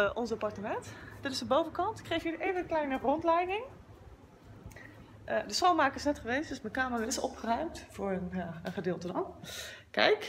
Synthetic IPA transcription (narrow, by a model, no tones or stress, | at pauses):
ʔɔnsɑpɑɹtəmɛntd̥ɪtɪsdəbowvəkɑntɪkːrejfiːdʔejvəklɛjnəχrɔntlɛjkɪŋ | dəsχownmaːkəɪsnɛtχəʋejstd̥ɵsmɛnkaːmərɪsɔ̰pχərœɥmtfʊːɹəjaəχədɪːlˠtədɑnkɛ̰jk